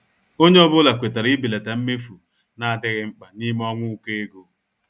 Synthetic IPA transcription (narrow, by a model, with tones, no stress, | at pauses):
o˦ɲe˦ɔ˦bʊ˦la˨kʷe˨ta˨ɾɪ˦bi˨la˨ta˨m̩˦me˦fu˨ | na˨a˨dɪ˦ɣɪ˦ŋ͡m̩˦k͡pa˨ni˦m˦ɔ˦ŋʷʊ˦ke˦e˦ɡo˦